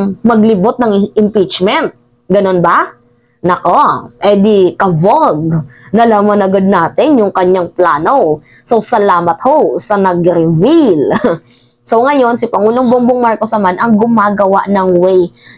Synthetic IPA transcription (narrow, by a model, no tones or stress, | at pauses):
ŋmɐɡlɪbot̪̚nɐŋɪmpit͡ʃmɛnt̪̚ | ɡɐno̞nba | nɐkopɛd̪ikɐvoɡ̚nɐlaːmɐnɐɡad̪̚naːt̪ɪnjʊŋkɐɲːaŋplaːno̞ | sowsɐlaːmɐt̪̚hosɐnɐɡɾɪvil | so̞wŋɐjo̞nsɪpɐŋuːloŋboŋboŋmaɹkosnɐmanʔɐŋɡʊmaːɡɐwa̰ʔnɐŋwɛj